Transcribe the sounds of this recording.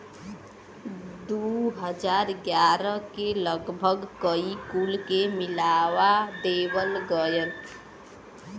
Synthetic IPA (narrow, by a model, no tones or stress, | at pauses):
d̪uɦəd͡ʒaːɾɡjaːɾəkeləɡbʱəɡkəikulkemɪlaːwad̪eːwəlɡəjən